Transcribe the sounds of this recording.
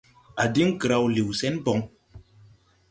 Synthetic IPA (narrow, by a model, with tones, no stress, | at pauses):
a˨di˦ŋkə˨ɾa˧˨wli˨wsɛ˦nbɔ˨ŋ